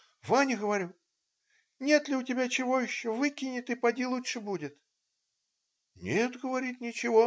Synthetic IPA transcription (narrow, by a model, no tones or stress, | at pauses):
vanʲɪɣɐvaɾʲu | nʲet̪lʲiwtʲabʲat͡ʃɪvɔjiʃːɔvɨkʲinʲɪt̪ipadʲilˠut͡ʂːɨbudʲɪt̪ | nʲet̪ɣəvaɾʲitʲnʲit͡ʃɪvɔ